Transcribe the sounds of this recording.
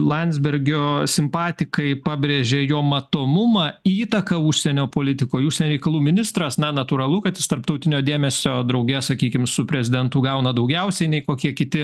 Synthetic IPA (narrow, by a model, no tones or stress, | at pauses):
lˠɐnʲzʲbʲɛɾʲɡʲoːsʲɪmpɑːt̪ʲɪkɐɪpɑːbʲɾʲeːʒʲeːjoːmɐt̪oːmʊmɑːiːt̪ɐkɐʊʃʲsʲɛnʲoːpoːlʲɪt̪ʲɪkoːjʊʃʲsʲɛnʲoɾɛɪkɐlˠuːmʲɪnʲɪst̪ɾɐsnɐnɐt̪uːɾɐlˠʊkɐt̪jɪst̪ɐrp̚t̪ɐʊt̪ʲɪnʲoːd̪ʲeːmʲɛsʲoːd̪ɾɐʊɡʲɛsɐkʲiːkʲɪmsʊpʲɾʲɛzʲɪd̪ʲɛnt̪ʊɡɐʊnɐd̪ɐʊɡʲɛʊsʲɛɪnʲɛɪkoːkʲiɛkʲɪt̪ʲɪ